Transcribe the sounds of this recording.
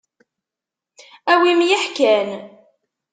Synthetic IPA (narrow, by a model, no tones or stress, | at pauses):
æwimjəħkæn